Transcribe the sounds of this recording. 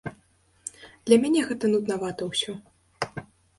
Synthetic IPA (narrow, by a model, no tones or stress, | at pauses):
d̪̥lʲɐmʲanʲɛɣɛt̪ɐnut̪navat̪ɐwsʲɔ